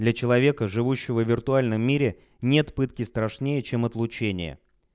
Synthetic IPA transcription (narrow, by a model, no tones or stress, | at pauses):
d̪lʲɐt͡ɕɪlˠɐvʲe̞kəʐɨvuɕːɪvəvʲɪrt̪ʊalʲnəmːʲiɾʲɪ | nʲe̞t̪pɨt̪kʲɪst̪ɾɐʂnʲejət͡ɕe̞mɐt̪lˠʊt͡ɕenʲɪ̰jə̰